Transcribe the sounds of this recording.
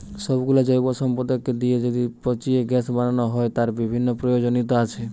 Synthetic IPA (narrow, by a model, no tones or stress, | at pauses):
sɔbɡulad͡ʒɔjbɔsɔmpɔd̪ɔkːed̪ied͡ʒɔd̪ipɔt͡ʃieɡɛsbananɔɦɔet̪aɾbibʱinːɔpɾɔjod͡ʒonit̪̬aːt͡ʃʰe